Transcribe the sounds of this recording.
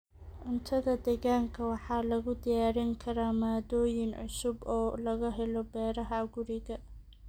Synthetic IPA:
ʕʊnt̪ʰɐðɐd̪ɛɣaːŋkʰɐwɑħɑːlɐɣʊd̪ɪjaːɾɪŋkʰɐɾaːmaːd̪ɔːjɪnʕʊ̰sʊbɔːlɐɣɐɦɛlɔbɛːɾɐɦɐɡʊɾɪɣɐ

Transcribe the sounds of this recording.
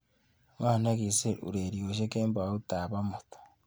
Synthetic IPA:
maːnaɡiseṵɾeɾioʃekeːmbautaːβamotḁ

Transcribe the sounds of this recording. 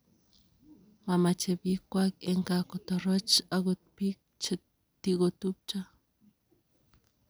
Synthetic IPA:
mamat͡ʃebikːʷakeŋkakot̪orot͡ʃaɣut̪̚pik̚ | t͡ʃe | t̪iɣot̪up̚t͡ʃa

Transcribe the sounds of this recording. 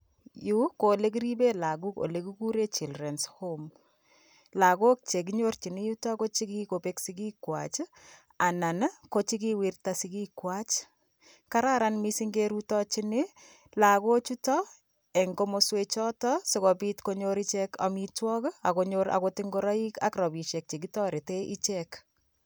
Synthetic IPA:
jukolek̬iɾibelaɡuko̰lekukuɾet͡ʃilrɛnshom | lakok̚t͡ʃek̬iɲort͡ʃinijutakot͡ʃikikopeksikikwa̰t͡ʃ | anankot͡ʃik̬iwirtasikikwat͡ʃ | kaɾaɾanmisiŋɡeɾutɔt͡ʃinɪ | lakot͡ʃutɔ | ɛŋɡomoswet͡ʃɔtɔsɪkɔpitkoɲoɾit͡ʃeka̰mitwɔkakoɲoɾa̰kotiŋɡoɾaika̰kɾɔbiʃek̚t͡ʃekitɔɾeteʔit͡ʃek

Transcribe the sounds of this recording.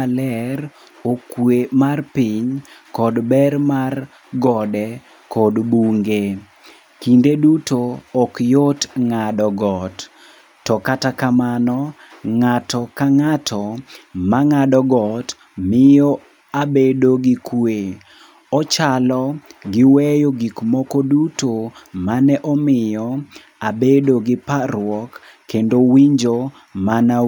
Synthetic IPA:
lɛr | okwemarpiɲkɔdbɛrmar | ɡɔdɛ | kɔdbuŋɡe | kindedutoɔkjotŋadɔɡɔtː | ɔkatakamanɔ | ŋatɔkaŋatʰɔmaŋadɔɡɔt | mɪjɔ | abedoɡɪkwe | ɔt͡ʃalɔɡɪwɛjoɡikmɔkɔdutomanɛʔɔmɪjɔ | abedoɡɪpaɾwɔkː | endowiɲd͡ʒo | mana

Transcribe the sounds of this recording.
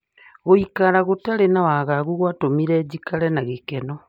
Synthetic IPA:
ɣoikaɾaɣotaɾenawaɣaɣuɣwatomiɾɛːd͡ʑikaɾɛnaɣekɛnɔ

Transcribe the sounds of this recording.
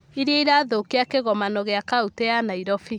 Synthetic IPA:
iɾeiɾaːðokeakeɣɔmanɔɣeakautɛanaiɾɔfi

